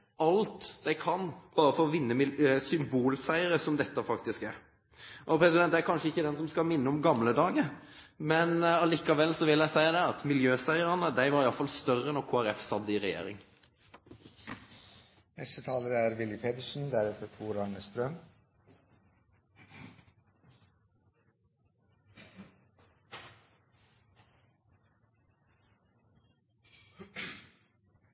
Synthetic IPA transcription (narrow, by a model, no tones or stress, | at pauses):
ɑlt̪d̪̥æɪkʰɑnb̥ɑːɾəfɔɾɔʋɪnːəmɪsʏmbuːlsæɪəɾəsɔmd̪ɛt̪ːəfɑkt̪ɪskæɾ | ʔɔpʰɾɛsɪd̪ɛnt̪d̪æɾkʰɑnʂəɪçːəd̪ɛnsɔmskɑmɪnːəɔmɡɑmləd̪ɑːɡə | mɛnɑliːkɑʋɛlːsɔʋɪljæɪsæɪɑd̪ɛɑt̪mɪljøːsæɪəɾɑnəd̪æɪʋɑɾɪjɑlfɑlst̪œrənɔɾkʰoːæɾɛfsɑd̪ːəɪɾɛjḛːɾɪ̰ŋ | nɛst̪ət̪ʰɑːləɾəæɾʋɪlɪpʰeːt̪əʂn̩d̪æɾɛt̪ət̪ʰuːɾɑɳəst̪ɾœm